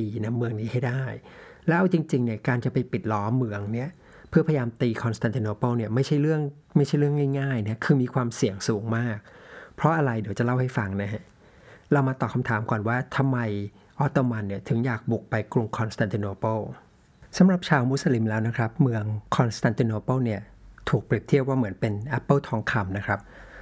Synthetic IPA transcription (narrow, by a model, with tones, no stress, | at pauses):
iː˧na˦˥mːɯ˧əŋniː˦˥ha˥˩jdaː˥˩j | lɛː˦˥ʔa˧wt͡ɕi˧ŋt͡ɕi˧ŋni˥˩ɐkaː˧nt͡ɕa˨˩pa˧jpi˨˩t̪̚lɔː˦˥mːɯ˧əŋni˦˥˩ɐ | pʰɯ˥˩pʰa˧jjaː˧mt̪iː˧kʰɔ˧nst̪a˧nt̪iː˧noː˧pɤː˥˩ni˥˩ɐma˥˩jt͡ɕʰa˥˩jɾɯ˥˩əŋ | ma˥˩jt͡ɕʰa˥˩jɾɯ˥˩əŋaː˥˩jŋaː˥˩jna˦˥kʰɯː˧miː˧kʰwaː˧msi˨˩əŋsuː˨˩˦ŋmaː˥˩k̚pʰɾɔ˦˥ʔa˧ɾa˧jdi˨˦wt͡ɕa˨˩la˥˩wha˥˩jfa˧ŋna˦˥ɦa˦˥ | ɾa˧wmaː˧t̪ɔː˨˩kʰa˧mt̪ʰaː˩˦mkɔː˨˩nwaː˥˩t̪ʰa˧mːa˧j | ʔɔ˦˥t̪ːoː˧ma˧nːi˥˩ɐt̪ʰɯ˩˦ŋjaː˨˩k̚bu˨˩k̚pa˧jkɾu˧ŋkʰɔ˧nst̪ʰa˧nt̪ʰiː˧noː˧pɤ˥˩w | sa˩˦mɾa˨˩p̚t͡ɕʰaː˧wmu˦˥sa˧li˨˦mlɛː˦˥wna˦˥kʰɾa˦˥p̚mɯ˧əŋkʰɔ˧nst̪ʰa˧nt̪i˧noː˧pəː˥˩wni˥˩ɐt̪ʰuː˨˩k̚pɾi˨˩pt̪ʰi˥˩əp̚waː˥˩mɯ˩˦ənpe˧nʔɛ˦˥pːə˥˩wt̪ʰɔː˦˥ŋkʰa˧mna˦˥kʰɾa˦˥p̚